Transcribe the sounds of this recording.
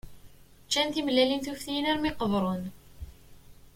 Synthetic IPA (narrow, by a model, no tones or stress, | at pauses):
t͡ʃːænθimlælinθufθinæɾmɪqəðˤɾˤən